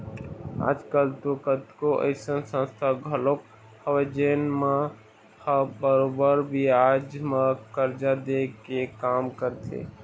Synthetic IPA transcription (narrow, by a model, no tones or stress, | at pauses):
a̰ːd͡ʒkəlt̪okət̪koʔə̰ɪsənsə̃nst̪ʰaɡʱəlok | həʋed͡ʒeːnmã | həbəɾobəɾbʱiaːd͡ʒmãkəɾd͡ʒad̪ekekaːmkəɾt̪ʰḛː